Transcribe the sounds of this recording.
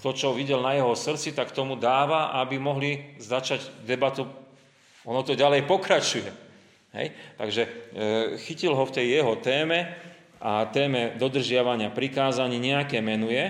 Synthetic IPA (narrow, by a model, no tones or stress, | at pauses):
t̪ɔt͡ʃɔʋiɟɛlnajɛɦɔsr̩t͡sit̪akt̪ɔmud̪aːʋaʔabimɔɦlizat͡ʃaɟd̪ɛbat̪u | ɔnɔt̪ɔɟalɛjpɔkɾat͡ʃujɛ | ɦɛ̰jt̪aɡʒɛ | xicilɦɔft̪ɛjːɛɦɔt̪ɛːmɛ | ʔat̪ɛːmɛd̪ɔd̪r̩ʒɪaʋaɲɪapɾikaːzaɲiːɲɛakɛːmɛnujɛ